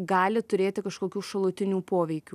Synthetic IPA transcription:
ɡɑːlʲɪt̪ʊɾʲeːt̪ʲɪkɐʃkoːkʲuːʃɐlˠʊːt̪ʲɪnʲuːpoːʋʲɛɪkʲuː

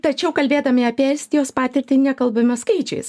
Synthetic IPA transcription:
t̪ɐt͡ʃʲɛʊkɐlʲbʲeːd̪ɐmʲɪɐpʲiːɛlʲsʲt̪ʲɪjoːspɑːt̪ʲɪɾʲt̪ʲɪnʲɛkɐlˠbɐmʲɐskɐɪt͡ʃʲɛɪs

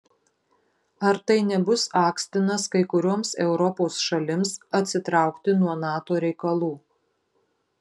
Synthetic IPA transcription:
ɐɾt̪ɐɪnʲɛbʊsɑːksʲt̪ʲɪnɐskɐɪkʊɾʲuɔmsɛʊɾɔpoːsʃɐlʲɪmsɐt̪ʲsʲɪt̪ɾɑˑʊkt̪ʲɪnuɔnɑːt̪oːɾʲɛɪkɐlˠuː

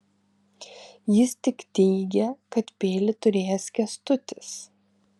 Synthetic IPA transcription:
jɪst̪ʲɪkt̪ʲɛɪɡʲɛkɐt̪pʲeːlʲɪt̪ʊɾʲeːjɛsʲkʲɛst̪ʊt̪ʲɪs

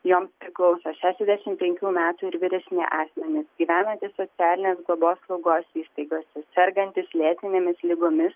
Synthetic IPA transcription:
joːmspʲɾʲɪklˠɒʊsoːʃʲæːʃʲɛzʲd̪ʲæʃʲɪmpʲɛŋʲkʲuːmʲæːt̪uːɪɾʋʲɪɾʲɛsʲnʲḛʔɑːsʲmʲɛnʲɪsɡʲiːʋʲæːnɐnʲt̪ʲɪsːot̪sʲɪæːlʲɪnʲeːsɡlˠoboːslˠɐʊɡoːsiːst̪ɐɪɡoːsʲɛsʲɛɾɡɐnʲt̪ʲɪslʲeːt̪ʲɪnʲeːmʲɪslʲɪɡoːmʲɪs

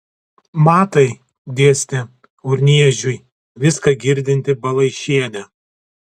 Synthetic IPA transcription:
mɑːt̪ɐɪ | d̪ʲiɛsʲt̪ʲɪ | ʊɾʲnʲiɛʒʲʊj | ʋʲɪskɐɡʲɪɾʲd̪ʲɪnʲt̪ʲɪbɐlˠɐɪʃʲiɛnʲɛ

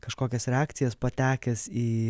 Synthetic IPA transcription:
kɐʃkoːkʲɛsɾʲɛɑːkt̪sʲɪjɛspɐt̪ʲæːkʲɛsiː

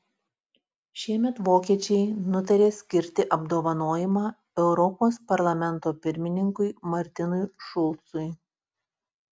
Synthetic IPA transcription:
ʃʲiɛmʲɛt̪ʋoːkʲiɛt͡ʃʲɛɪnʊt̪̬ɐɾʲeːsʲkʲɪɾʲt̪ʲɪʔɐbd̪oːʋɐnoːjɪmɑː | ɛʊɾɔpoːspɐɾlˠɐmʲɛnt̪oːpʲɪɾʲmʲɪnʲɪŋkʊɪmɐɾʲt̪ʲɪnʊjʃʊlˠt̪sʊɪ

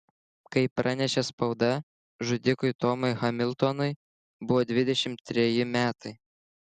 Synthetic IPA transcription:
kɐɪpɾʔɑnʲɛʃʲɛspɐʊd̪ɐ | ʒʊd̪ʲɪkʊɪt̪ɔmɐɪxɐmʲɪlˠʲt̪onʊɪ | bʊʋoːd̪ʲʋʲɪd̪ʲɛʃʲɪmt̪ʲːɾʲɛjɪmʲæːt̪ɐɪ

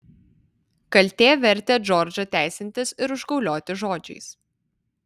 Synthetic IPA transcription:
kɐlʲt̪ʲeːʋʲɛɾʲˑt̪ʲeːd͡ʒɔɾʲd͡ʒɐt̪ʲæˑɪsʲɪnʲt̪ʲɪsɪɾʊʒɡɒʊlʲoːt̪ʲɪʒoːd͡ʒʲɛ̰ɪs

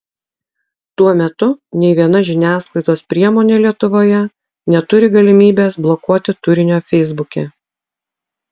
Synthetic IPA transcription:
t̪uɔmʲɛt̪ʊnʲɛɪʋʲiɛnɐʒʲɪnʲæːsklˠɐɪd̪oːspʲɾʲiɛmoːnʲeːlʲiɛt̪ʊʋoːjɛ | nʲɛt̪ʊɾʲɪɡɐlʲɪmʲiːbʲeːsblˠɔkuɔt̪ʲɪt̪ʊɾʲɪnʲoːfʲɛɪzbʊkʲe

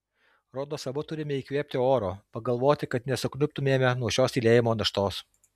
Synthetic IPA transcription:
ɾoːd̪oːsɐbʊt̪ʊɾʲɪmʲɛiːkʋʲiːpʲt̪ʲɪoːɾoːpɐɡɐlˠʋoːt̪ʲɪkɐt̪nʲɛsʊknʲʊpʲt̪ʊmʲeːmʲɛnuɔʃʲoːsʲiːlʲeːjɪmoːnɐʃt̪oːs

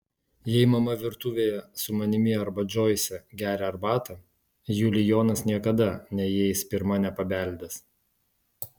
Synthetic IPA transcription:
jɛɪmɐmɐʋʲɪɾt̪uːʋʲeːjɛsʊmɐnʲɪmʲɪɐɾbɐd͡ʒʲoːjsʲɛɡʲæːɾʲɛɐɾbɑːt̪ɐ | juːlʲɪjoːnɐsnʲiɛkɐd̪ɐnʲɛjɛɪspʲɪɾmɐnʲɛpɐbʲæˑlʲb̪ʲes

